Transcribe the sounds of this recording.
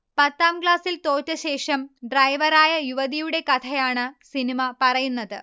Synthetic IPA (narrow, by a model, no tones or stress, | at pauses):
pɐt̪ːaːmkɭaːsilt̪o̞ːtːɐɕe̞ːʂɐmɖrɐjʋɐɾaːjɐjuʋɐðijuɽe̞kɐt̪ʰɐjaːɳɨsinimɐpɐrɐjunːɐðɨ